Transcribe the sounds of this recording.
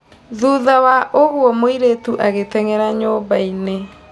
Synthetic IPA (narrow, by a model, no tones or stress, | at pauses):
ðuðawaʔoɣwɔmoiɾetuʔaɣetɛŋɛɾaɲoːbaine